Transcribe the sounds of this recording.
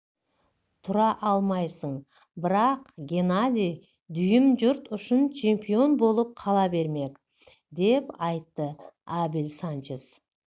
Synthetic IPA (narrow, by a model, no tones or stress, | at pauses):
t̪ʰʊɾɑʔɑlˠmɑjsəɴ | bɪɾɑqɡʲe̞nad̪ʲij | d̪ʏjɪmʒʊɾt̪ʊʃɪnt͡ʃʰe̞mpio̞nbo̞lˠəp̚qʰɑlˠɑbe̞ɾme̞k | d̪e̞pɑjt̪ːəabilsant͡ʃes